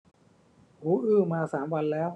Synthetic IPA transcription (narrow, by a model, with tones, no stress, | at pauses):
ʔuː˦˥ʔɯː˥˩maː˧saː˩˦mwa˧nlɛː˦˥w